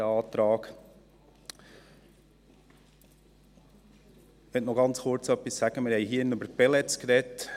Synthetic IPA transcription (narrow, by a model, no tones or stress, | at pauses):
əɑːt̪ɾɑːk | ʋɛt̪nɔɡɑnt͡sχʊɾt͡sœpːisːæɡ̥əmɪɾhɛɪjɦiːənʉbəɾpɛlɛt͡skɾɛt